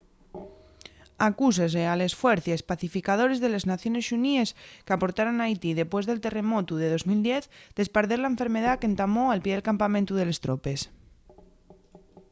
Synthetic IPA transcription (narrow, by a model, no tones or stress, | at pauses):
akus̬ezealesfweɾθjespaθifikaðo̞ɾe̞zðe̞leznaθjo̞nesʃunieskeapo̞ɾt̪aɾonajt̪iðe̞pwe̞zðe̞lt̪e̞re̞mo̞t̪uðe̞ðo̞zmild̪je̞θd̪e̞spaɾðeɾlaeɱfe̞ɾme̞ð̞ake̞nt̪amo̞alpje̞ðelkampamẽnt̪uð̞e̞le̞st̪ɾo̞pe̞s